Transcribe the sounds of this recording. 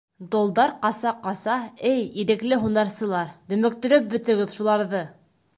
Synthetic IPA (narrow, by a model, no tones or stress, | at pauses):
d̪olˠd̪ɑɾqɑsɑqɑsɑɘjiɾɘ̆klɘɦunɑɾsɤ̆lˠɑɾt̪ɵ̆mɘ̆k̚t̪ɵ̆ɾɵp̚bɵ̆t̪ɘ̆ɡɘðʃulˠɑɾðɤ